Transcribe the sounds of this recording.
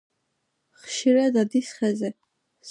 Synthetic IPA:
χʃiɾad̪ad̪isχɛzɛ | s

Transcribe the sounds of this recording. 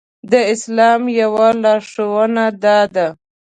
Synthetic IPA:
d̪əɪslɑmjawalɑʂowənad̪ɑd̪a

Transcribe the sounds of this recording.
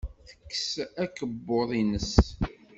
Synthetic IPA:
θə̥kːsækəbːoðˤinəs

